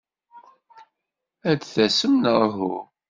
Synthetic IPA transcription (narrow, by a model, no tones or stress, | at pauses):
ædθæsəmnəɾɦu